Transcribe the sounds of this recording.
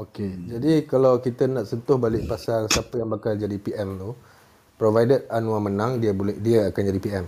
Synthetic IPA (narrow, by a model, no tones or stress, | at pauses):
oked͡ʒadikalawkit̪ənaʔsənt̪ʊhbalɪʔpasalsapəjaŋbakald͡ʒadipiʔɛmt̪u | pɾovajdəranũamənãŋdiəbolɛhdiəakand͡ʒadipiɛm